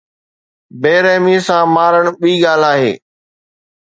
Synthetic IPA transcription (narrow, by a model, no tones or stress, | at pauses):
beːɾɛːmisãmaːɾəɽ̃ɓiːɠaːl̤aːɦeː